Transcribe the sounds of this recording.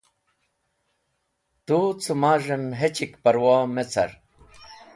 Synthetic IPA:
t̪ut͡sʰumaːʐɐnɦet͡ɕikpɐɾwaːmet͡sʰɐ̰ɾ

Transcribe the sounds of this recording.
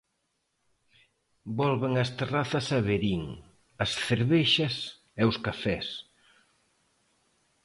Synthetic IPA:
bɔlβeŋɐst̪eraθɐsɐβeɾiŋ | ɐsθeɾβeʃɐs | ɛʊskafɛs

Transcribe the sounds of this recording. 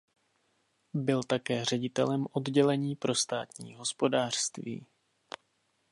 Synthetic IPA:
bɪlt̪akɛːr̝ɛɟɪt̪ɛlɛmʔo̞dɟɛlɛɲiːpɾʔo̞st̪a̰ːt̪ɲḭːɦo̞spo̞daːr̥st̪vḭː

